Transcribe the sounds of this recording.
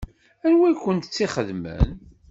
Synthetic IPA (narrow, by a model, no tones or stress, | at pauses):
ænwæjkʷːənt̪ət͡sːiχəðmə̰n